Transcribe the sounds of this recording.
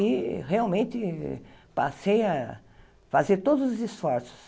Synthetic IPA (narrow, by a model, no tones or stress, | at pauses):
ɪheawmẽnt̪ɪpaseja | fazeɾt̪od̪ʊzʊzisfɔɾsʊ̥s